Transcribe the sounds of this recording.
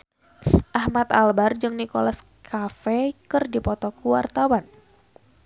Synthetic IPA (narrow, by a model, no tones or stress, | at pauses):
ʔahmat̪albard͡ʒɨŋnikolas | kʰafɛkɨrdipɔt̪ɔkuwa̰rt̪awan